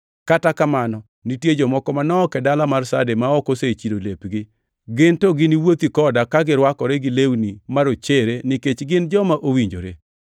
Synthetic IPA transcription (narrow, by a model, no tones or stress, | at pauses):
katakamanɔ | nitjed͡ʒɔmɔkɔmanɔːkɛdalamarsademaɔkoset͡ʃidolepɡɪ | ɡɪntoɡɪniwot̪ikɔdakaɡɪɾwakɔɾɛɡɪlewnimaɾot͡ʃeɾenɪket͡ʃɡɪnd͡ʒɔmaʔowiɲd͡ʒo̰ɾe